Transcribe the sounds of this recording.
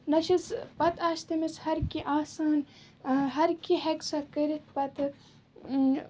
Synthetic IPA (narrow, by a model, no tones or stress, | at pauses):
nɐʃispɐt̪aːʃt̪ɐmishɐɾkiʔaːsaːn | ɦɐɾkiɦeksɐkɐɾit̪̚pɐt̪ʰ